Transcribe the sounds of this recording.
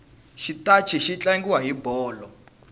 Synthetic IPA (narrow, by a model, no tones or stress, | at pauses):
ʃitat͡ʃʰiʃit͡ɬaŋɡiwaɦibɔːlɔ